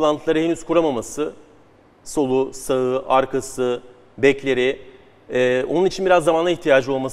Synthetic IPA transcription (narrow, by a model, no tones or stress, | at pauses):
lˠant̪ʰɯlˠaɾɯhenyzkʰuɾamamasɯ | so̞lˠusaɯaɾkʰasɯ | bɛclʲeɾɪː | o̞̰nunit͡ʃʰinbiɾazːamanˠaiçt̪ʰijaːd͡ʒɯo̞lˠmas